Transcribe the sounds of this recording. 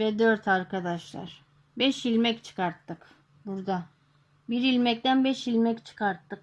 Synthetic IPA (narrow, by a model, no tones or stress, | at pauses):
vɛd̪øɾt̪ʰaɾkʰad̪aʃlˠa̰ɾ̥ | bɛʃilʲmɛct͡ʃʰɯ̥kaɾt̪ːɯk | buɾd̪a | biɾilʲmɛc̚t̪ænbɛʃilʲmɛct͡ʃʰɯ̥kaɾt̪ːɯk̚